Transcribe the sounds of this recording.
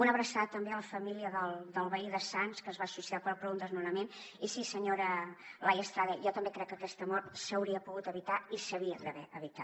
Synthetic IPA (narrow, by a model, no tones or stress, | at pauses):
unəβɾəsaðət̪əmbeələfəmiliəðəlˠd̪əlˠβəiðəsanskəzβaːsusiapɔpɾɔund̪əznunəmen | isisəɲoɾəlajəst̪ɾaðɛjɔt̪əmbekɾɛkːəkɛst̪əmɔɾt̪səwɾiəpuɣut̪əβit̪aisəβiəðəβɛʔəβit̪a